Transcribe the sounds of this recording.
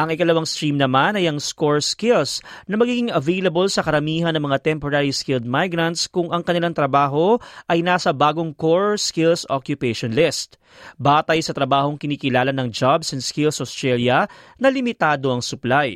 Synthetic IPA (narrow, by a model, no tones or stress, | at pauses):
ʔɐŋʔɪkɐlɐwaŋst̪ɾimnɐmanɐjɐŋskoɹskɪlsnɐmɐɡiːɡɪŋɐvɛjlɐbolsɐkɐɾɐmiːɦɐnɐŋmɐŋat̪ɛmpoɾaːɾiskɪld̪̚majɡɾɐnt̪skʊŋʔɐŋkɐnɪlaŋt̪ɾɐbaːɦo̞ʔɐjnaːsɐbaːɡo̞ŋkoɹskɪlsokjʊpɛʃonlɪst̪̚ | baːt̪ɐjsɐt̪ɾɐbaːho̞ŋkɪniːkɪlaːlɐnɐŋd͡ʒabsɛnskɪlsʔost̪ɾɛljɐnɐlɪmɪt̪aːd̪o̞ʔɐŋsʊplaj